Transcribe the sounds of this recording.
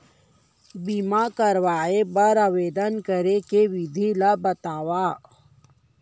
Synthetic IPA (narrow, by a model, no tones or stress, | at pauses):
bimakɐɾwaːepɐɾaweːd̪ənkɐɾekewid̪ʱilabɐt̪aːwaː